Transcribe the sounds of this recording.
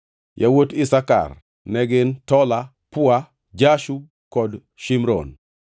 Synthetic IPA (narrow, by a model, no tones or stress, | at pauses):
jawotɪsaka̰r | nɛɡɪntɔla | pʊa | d͡ʒaʃu | kɔd | ʃimɾɔ̰n